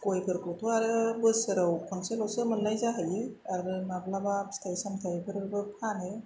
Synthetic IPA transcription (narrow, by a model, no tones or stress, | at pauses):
kojbʰɯɾkʰɯwtʰuaɾɯbɯsɯɾawkʰɔnselɔwsɯmɯnlajzaɦajɯaɾɾɯmablabapstʰajsamtʰajbɯɾɾbɯpʰanɯ